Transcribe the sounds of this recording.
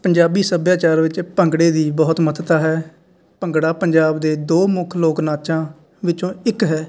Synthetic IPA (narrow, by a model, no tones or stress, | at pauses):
pəɲd͡ʒaːbiːsəbjaːt͡ʃaːɾʋɪt͡ʃpəŋɡɽeːd̪iːbɔːt̪mət̪ʰt̪aːɦɛː | pəŋɡɽaːpəɲd͡ʒaːbd̪eːd̪oːmʊkʰloːknaːt͡ʃãː | ʋɪt͡ʃõːɪkɦɛː